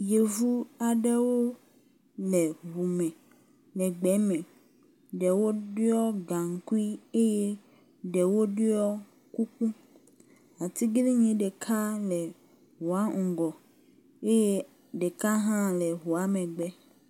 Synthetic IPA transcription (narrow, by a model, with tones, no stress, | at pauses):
je˨vu˦a˨ɖɛ˦wo˦ | lɛ˨ɦu˨mɛ̃˨ | lɛ˨ɡ͡bɛ˨˦mɛ̃˨ | ɖɛ˨wo˦ɖɪ˦ɔ˦ɡa˨ŋ̩˨˦ku˦i˦e˦jɛ˦ | ɖɛ˨wo˦ɖʊ˦ɔ˦ | ku˦kũ˦ | a˨t̪i˦ɡli˦ɲẽ˨ɖɛ˨kʰa˦lɛ˨ | ɦu˨a˨˦ŋ̩˨ɡɔ˨ | e˦je˦ | ɖe˨ka˦ɦã˦lɛ˨ɦu˨a˦mɛ̃˨ɡ͡bɛ˦